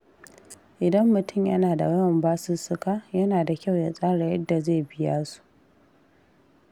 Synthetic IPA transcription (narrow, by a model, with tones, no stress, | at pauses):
ʔɪ˨dɐ˦mːʊ˨tʊ˦˨mjɐ˦naː˨da̰˨wɐ˦˨mbaː˦sʊ˦sʊ˦kaː˦jɐ˦naː˨da˨kʲa˦˨wja̰˨sʼaː˦ɽa˨jɐ˦dːa˨zeː˦˨bɪ˦ja̰ː˦su̥˦ʔ